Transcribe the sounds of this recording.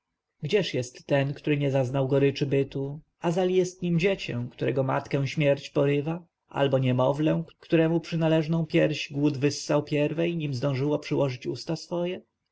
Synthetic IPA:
ɡd͡ʑɛʂjɛst̪ːɛnkt̪uɾɘɲɛzaznawɡɔɾɘt͡ʂɘbɘt̪u | azalʲijɛst̪ɲimd͡ʑet͡ɕɛ̰̃w̃kt̪uɾɛɡɔma̰t̪kɛ̃ɕmʲjɛɾt͡ɕpɔɾɘva | ʔa̰lbɔɲɛmɔvlɛ̃kt̪uɾɛmupʂɘnalɛʐnɔ̃w̃pʲjɛɾʑɡwud̪vɘsːawpʲjɛɾvɛjɲimzd̪ɔ̃w̃ʐɘwɔpʂɘwɔʐɘt͡ɕṵst̪asfɔjɛ

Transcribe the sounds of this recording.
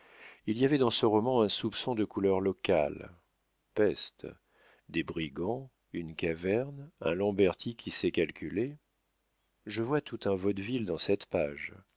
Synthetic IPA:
ilijavɛd̪ɑ̃səʁɔmɑ̃ɛ̃supsɔ̃d̪əkulœʁlɔka̰l | pɛst̪ | d̪ebʁiɡɑ̃ | ynkavɛʁnɛ̰̃lɑ̃bɛʁt̪ʰikʲʰisɛkalkʲyle | ʒəvwat̪ut̪ɛ̃vɔd̪vild̪ɑ̃sɛt̪paʒ

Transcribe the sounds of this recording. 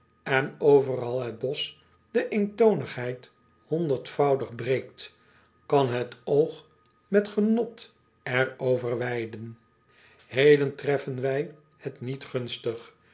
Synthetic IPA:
ɛnowvərɑlˠɦəd̚bɔs | dəʔentownəχɦɛjt | hɔndəɹtfɑwdəχbrejkt | kɑnɦətowχ | mɛtχənɔt | ɛɹowvəɹʋɛjdən | hejləntrɛfənʋɛj | hətnitχɵnstəχ

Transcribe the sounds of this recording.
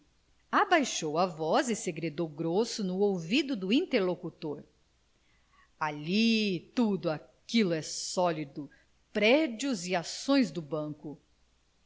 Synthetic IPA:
abajʃowavɔzɪseɡɾed̪owɡɾosʊnʊowvid̪ʊd̪ʊĩnt̪eɾlokut̪oɾ | alit̪ud̪ʊakilʊɛsɔlid̪ʊ | pɾɛd͡ʒiʊziasõj̃zd̪ʊbɐ̃kʊ

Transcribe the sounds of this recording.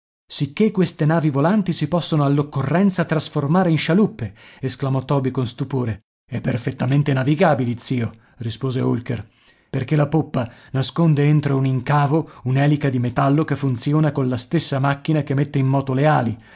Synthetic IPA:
sikːekːwest̪enaːvivolant̪isipɔsːonoalːokːorːɛnt̪sat̪ɾasformaːɾeinʃalupːeesklamɔt̪ːɔːbikonst̪upoːɾe | ɛpːerfet̪ːament̪enaviɡaːbileit̪siːo | rispoːzeolker | perk̟elapopːanaskond̪eent̪ɾouniŋkaːvounɛlikad̪imet̪alːokefːunt̪sjoːnakonlast̪esːamakːinakemːet̪ːeimːɔːt̪oleaːli

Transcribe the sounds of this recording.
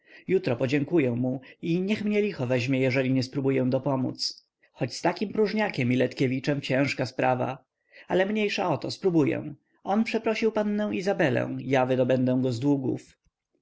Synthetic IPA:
jut̪ɾɔpɔd͡ʑɛŋkujɛ̃muiɲɛxmɲɛlʲixɔvɛʑmʲjɛjɛʐɛlʲiɲɛspɾubujɛw̃d̪ɔpɔmṵt̪s | xɔt͡ɕst̪akʲimpɾuʐɲakʲɛmilɛt̪kʲevʲit͡ʂɛmt͡ɕɛ̃w̃ʂkaspɾava̰ | alɛmɲejʂaɔt̪ɔspɾubujɛ̰w̃ | ʔɔnpʂɛpɾɔɕiwpanːɛw̃izabɛlɛ̰̃w̃javɘd̪ɔbɛnd̪ɛ̃w̃ɡɔzd̪wuɡṵf

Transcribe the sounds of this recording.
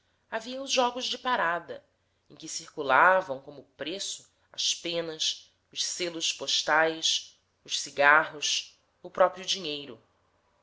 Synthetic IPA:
aviɐʊzʒɔɡʊzd͡ʒɪpaɾad̪ɐ | ẽj̃kɪsiɾkulavɐ̃w̃kõmʊpɾesʊ | ɐspẽnɐs | ʊʃselʊspoʃt̪ajs | ʊʃsiɡaɦʊs | ʊpɾɔpɾiʊd͡ʒiɲejɾʊ

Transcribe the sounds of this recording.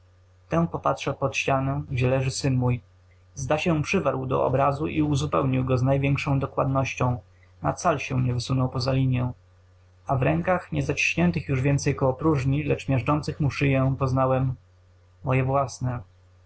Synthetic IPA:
t̪ɛ̃npɔpatʂɛpɔt̪ɕt͡ɕanɛ̃ʑɛlɛʐɘsɘnmuj | zd̪aɕɛ̃pʂɘvaɾwd̪ɔ̰ʔɔ̰bɾazuʔiuzupɛwɲiwɡɔznajvʲjɛŋkʂɔ̃w̃d̪ɔkwa̰d̪nɔɕt͡ɕɔ̃w̃ | na̰t̪salɕɛɲɛvɘsunɔwpɔzalʲiɲjɛ̃w̃ | avɾɛŋkaxɲɛzat͡ɕi̥ɕɲɛnt̪ɘxjuʐvʲjɛnt̪sɛjkɔɔpɾuʐɲilɛt͡ʂmʲjɛʐt͡ʂɔnt̪sɘxmuʂɘjɛpɔznawɛmː | ɔjɛvwasnɛ

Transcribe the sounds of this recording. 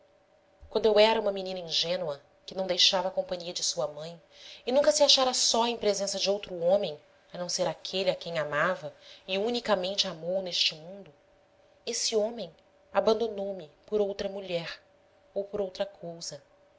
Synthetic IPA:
kwɐ̃nd̪ʊewɛɾɐũmɐminĩnɐĩʒẽnuɐ | kɪnɐ̃w̃d̪ejʃavɐakõmpɐ̃ɲiɐd͡ʒɪsuɐmɐ̃j̃ | ɪnũŋkɐsɪaʃaɾɐsɔẽj̃pɾezẽsɐd͡ʒɪowt̪ɾʊõmẽj̃ | ɐnɐ̃w̃seɾakʰelakẽj̃amavɐɪunikamẽnt͡ʃɪamowneʃt͡ʃɪmũnd̪ʊ | esɪõmẽj̃ | abɐ̃nd̪onowmɪpoɾowt̪ɾɐmuʎɛɾ | owpoɾowt̪ɾɐkʰowzɐ

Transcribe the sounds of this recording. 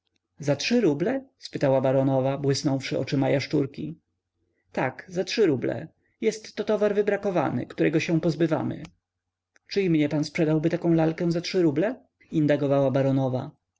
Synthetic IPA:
zatʂɘɾublɛspɘt̪awabaɾɔnɔvabwɘsnɔ̃w̃fʂɘʔɔ̰t͡ʂɘmajaʂt͡ʂuɾkʲi | t̪a̰kzatʂɘɾublɛ̰ | jɛst̪ːɔt̪ɔvaɾvɘbɾakɔva̰nɘ̰kt̪uɾɛɡɔɕɛ̃w̃pɔzbɘva̰mɘ̰ | t͡ʂɘimɲɛpanspʂɛd̪awbɘt̪akɔ̃w̃lalkɛ̃w̃zatʂɘɾublɛ | ind̪aɡɔvawabaɾɔnɔva̰

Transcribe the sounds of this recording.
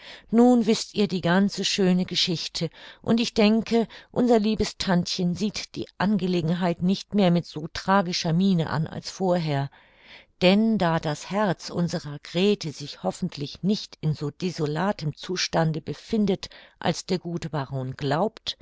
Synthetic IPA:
nuːnvɪstʔiːɐdiːɡant͡səʃøːnəɡəʃɪçtʰəʔʊ̰ntɪçd̥ɛŋkʰəʔʊnzɐliːbəstʰantçənziːtd̥ḭːʔanɡəleːɡŋ̩ɦaɪtnɪçtmeːɐmɪtz̥oːtʁ̥aːɡɪʃɐmiːnə̰ʔa̰nʔa̰lsfoːɐɦeːɐ | d̥ɛndaːdashɛɐt͡sʔʊ̰nzəʁɐɡʁɛːtəzɪçhɔfn̩tʰlɪçnɪçtɪnzoːdezolaːtəmt͡suːʃtandəbəfɪndətʔa̰lsd̥eːɐɡuːtəbaʁoːnɡ̥laʊpt

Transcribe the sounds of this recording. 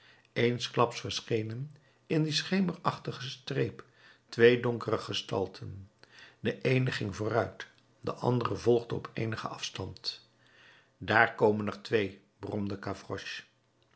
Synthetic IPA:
ejnsklɑpsfəɹsχejnən | ɪndisχejmərɑχtəχəstrejp | tʋejdɔŋkərəχəstɑ̰lˠtʰəndəʔejnəχɪŋvoːrœɥt | dəʔɑ̰ndərəvɔlˠχdəɔpʰejnəχəɑfstɑnt | daːɹkowmənəχtʋej | brɔmdəkafrɔʃ

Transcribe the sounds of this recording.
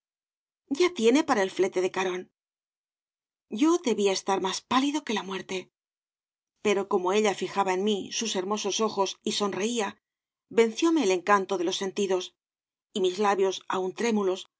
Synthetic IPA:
ɟ͡ʝat̪je̞ne̞paɾae̞lfle̞t̪e̞ðe̞kaɾo̞n | ɟ͡ʝo̞ðe̞βiae̞st̪aɾmaspaliðo̞ke̞lamwe̞ɾt̪e̞ | pe̞ɾo̞ko̞mo̞e̞ʎafixaβaenmisuse̞ɾmo̞so̞so̞xo̞siso̞nre̞ia | be̞nθjo̞me̞ːle̞ŋkant̪o̞ðelo̞sːe̞nt̪iðo̞s | imizlaβjo̞sa̰unt̪ɾe̞mulo̞s

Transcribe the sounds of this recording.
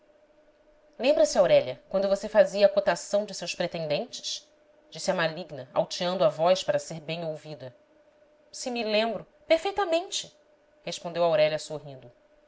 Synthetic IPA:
lẽmbɾɐsɪawɾɛʎɐkwɐ̃nd̪ʊvosefaziɐaːkot̪asɐ̃w̃d͡ʒɪsewspɾet̪ẽnd̪ẽnt͡ʃɪ̥ʃ | d͡ʒisiɐmaliɡnɐa̰wt͡ʃiɐ̃nd̪ʊavɔjʃpaɾɐseɾbẽj̃owvid̪ɐ | sɪmilẽmbɾʊ | peɾfejt̪ɐmẽnt͡ʃɪ̥ | heʃpõnd̪ewawɾɛʎɐsoɦĩnd̪ʊ

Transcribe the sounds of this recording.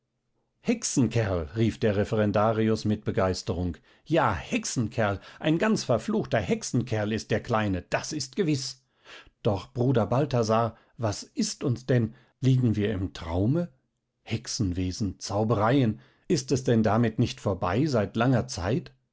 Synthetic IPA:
hɛksn̩kʰɛɐlʁiːfd̥eːɐʁɛfɛʁɛndaːʁiʊsmɪt̚b̥əɡaɪstəʁʊŋk | jaːhɛksn̩kʰɛɐlʔaɪnɡant͡sfɛɐfluːxtɐhɛksn̩kʰɛɐlɪstd̥eːɐkʰl̥aɪnəd̥asɪst̚ɡ̥əvɪs | d̥ɔχb̥ʁuːdɐbaltazaːɐ | vasʔɪstʊnsd̥ɛn | liːɡŋ̩viːɐɪ̰mtʁ̥a̰ʊmə | hɛksn̩veːzn̩t͡saʊbəʁaɪən | ɪstɛsd̥ɛndamɪtnɪçtfoːɐba̰ɪzaɪtlaŋɐt͡sa̰ɪt

